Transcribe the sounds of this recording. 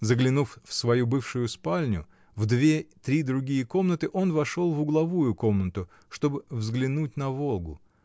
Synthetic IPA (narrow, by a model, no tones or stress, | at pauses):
zəɡlʲɪnuffsvɐjubɨfʂʊjʊspalʲnʲʊ̰ | vd̪vʲet̪ɾʲid̪ɾʊɡʲijəko̞mnət̪ɨʔo̞nvɐʂo̞lˠvʊɡlˠɐvujʊko̞mnət̪ʊ | ʂt̪o̞bɨvzɡlʲɪnutʲnɐvolˠɡʊ̰